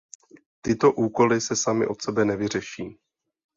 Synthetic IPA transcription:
t̪ɪt̪o̞ʔuːko̞lɪsɛsamɪ̰ʔo̞t̪sɛbɛnɛvɪr̝ɛʃiː

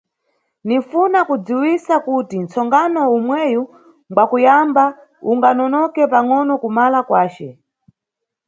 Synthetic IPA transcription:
nifunakud͡ziwisakutint͡sɔŋɡanɔumwɛju | ŋɡwakujamba | uŋɡanɔnɔkɛpaŋɔnɔkumalakwaːt͡ʃɛ

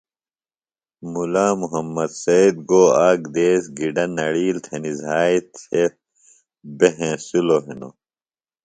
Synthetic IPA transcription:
mulaːmuɦɐmːɐd̪sɐid̪̚ɡoːaːɡd̪eːsɡiɖɐnːɐɽiːlt̪ʰenizaːit̪e | beɦẽːsuloːɦino̰

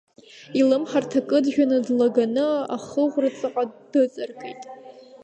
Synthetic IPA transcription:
ilɨmħartʰakʼɨdʒʲᶣanɨdlaɡanɨa̰χəʁʷrat͡sʼɨqʼad̥ɨt͡sʼɨrkʼḛjtʼ

